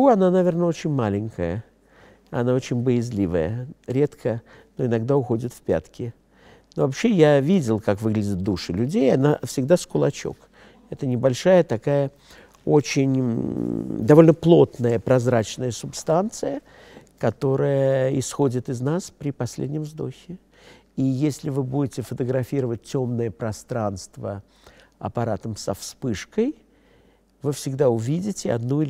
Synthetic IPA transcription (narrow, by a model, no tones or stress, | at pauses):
uɐnanɐvʲernəo̞t͡ɕɪnʲmalʲɪŋʲkəjə | ɐ̰nao̞t͡ɕɪnʲbəjɪzʲlʲivə̰jə̰ɾʲe̞t̪kʰə | noɪnɐɡd̪aʊxo̞dʲɪt̪fpʲa̰t̪kʲɪ | novɐpɕːe̞javʲidʲɪlˠkakvɨɡlʲɪdʲɪt̪̚d̪uʂɨlʲʉdʲejɐnafsʲɪɡd̪askʊlˠɐt͡ɕo̞̰k | ɛt̪ənʲɪbɐlʲʂajət̪ɐkajə | ot͡ɕɪnʲ | d̪ɐvo̞lʲnəplˠo̞t̪nəjəpɾɐzɾat͡ɕnəjəsʊpst̪ant̪sɨjə | kɐt̪o̞ɾəjəɪsxo̞dʲɪt̪ɨznaspɾʲɪpɐsʲlʲḛdʲnʲɪmzd̪o̞̰xʲɪ | ijesʲlʲɪvɨbudʲɪtʲɪfət̪əɡɾɐfʲiɾəvət̚ːʲo̞mnəjəpɾɐst̪ɾanst̪və̰ | ɐ̰pɐɾat̪əmsɐfspɨʂkəj | vɨfsʲɪɡd̪aʊvʲidʲɪtʲɪɐ̰d̪nuɪ